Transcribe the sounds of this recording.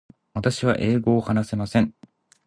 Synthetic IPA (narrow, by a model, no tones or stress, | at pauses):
βat̪aɕiβa̰ʔe̞ːɡo̞ːhanase̞masẽ̞ŋ